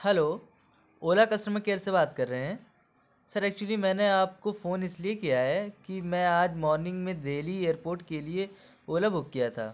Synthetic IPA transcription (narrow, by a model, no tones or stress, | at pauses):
hɛloː | oːlakɐsɾmẽkeːɾsebaːt̪kɐɾːɐɦeɦɛ̃ː | sɐɾɛːk̚t͡ʃuəlimɛ̃ːneaːp̚kofoːnɪsliekijaɦɛkimɛ̃aːd͡ʒmɔːɾnɪ̃ŋɡmẽd̪eːlieːəɾpoːɾʈkelie | oːlabʱʊk̚ːijat̪ʰa̰ː